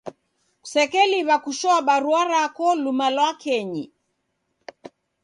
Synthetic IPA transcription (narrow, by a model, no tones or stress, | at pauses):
sɛkɛliβakuʃɔaɓaɾuaɾakɔlumalwakɛɲi